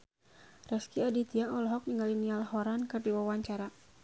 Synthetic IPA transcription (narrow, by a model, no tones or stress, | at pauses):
rɛskiadit̪iaʔɔlɔɦɔk̚niŋɡalinialhɔɾankɨrdiwawaɲt͡ʃaɾa